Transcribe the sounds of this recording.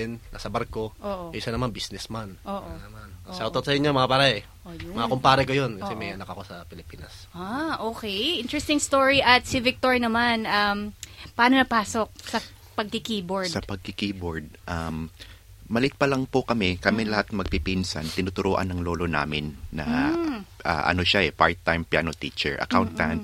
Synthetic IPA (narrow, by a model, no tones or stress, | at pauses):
ɛnːa̰sɐbɐɾko̞ʔoːʔojʊʃanɐmanbisnɛsmanʔoːʔonɐmanɐʃawt̪ɐt̪sɐjʊɲːomɐŋɐpaːɾɛɛ | ojmɐŋakompaːɾɛkojonkɐsɛmɐjʔɐnɐkɐko̞sɐpɪlɪpiːnɐsaʔoːkɛjʔɪ̃nt̪ɹɛst̪ɪŋst̪oɹiʔɐt̪̚sɪvɪk̚t̪oɹinɐmanʔɐmpɐʔaːnonɐpaːso̞k̚sɐ | pɐɡ̚kɪkiːboɹsdɐpɐɡ̚kɪkiːboɹd̪̚ʔɐmː | ɐlɪt̪̚pɐlɐŋpokɐmɛkɐmɛlɐhat̪̚mɐɡ̚pipinsɐ̰nt̪ɪnʊt̪ʊɾoːʔɐ̰nːɐŋlo̞ːlo̞na̰ːmɪnːɐ̰ | ʔa̰ʔɐ̰no̞ʃaʔɛpaɹt̪ːajmpja̰ːnot̪iːt͡ʃɛ̰ɹʔɐ̰kawnt̪ːan